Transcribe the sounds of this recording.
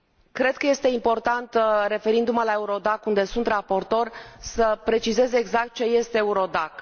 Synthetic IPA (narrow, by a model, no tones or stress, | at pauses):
kɾe̞d̪̚kəje̞st̪e̞impo̞rt̪ant̪re̞fe̞ɾind̪umalae̞uɾo̞d̪akund̪e̞sunt̪rapo̞rt̪o̞rʲsəpɾe̞t͡ʃize̞zeeːɡzak̚t̪̚t͡ʃe̞je̞st̪eeuɾo̞d̪ak